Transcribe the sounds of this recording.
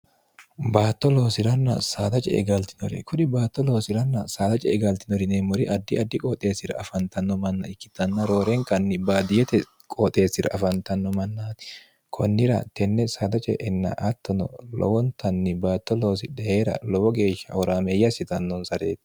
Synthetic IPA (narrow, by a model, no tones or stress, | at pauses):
baːt̪ːɔlo̞ːsɪɾɐnːɐ̰saːt̪ɐt͡ʃʼɛ̰ʔɛ̰ɡɐlt̪ɪ̥nɔɾɛ̰kʰʊᶑɪbaːt̪ːɔloːsɪɾɐnːɐsaːt̪ɐt͡ʃʼɛɛɡɐlt̪ɪnɔɾɪneːmɔɾɪʔɐd̪ːɪɐd̪ːɪkʼɔt̪ʼe̞ːsɪɾɐ̰ːfɐnt̪ɐnːɔmɐnːɐɪkːɪt̪ːɐnːɐɾo̞ːɾɛŋkʼɐnːɪbaːd̪ɪjɛt̪ɛ | kʼɔt̪ʼe̞ːsːɪɾɐ̰ʔɐfɐnt̪ɐnːɔmɐnːaːt̪ɪ̥ | kʰɔnːɪɾɐ̰t̪ɛnːɛsaːd̪ɐt͡ʃʼɛ̰ʔɛnːɐ̰ʔɐt̪ːɔnɔ̰lɔ̰wɔnt̪ʰɐnːɪbaːt̪ːɔloːsɪᶑɛheːɾɐ̰lɔwɔɡe̞ːʃːɐ̰ɔɾaːmɛjːɐsɪt̪ɐnːɔnsɐɾeːt̪ɪ̥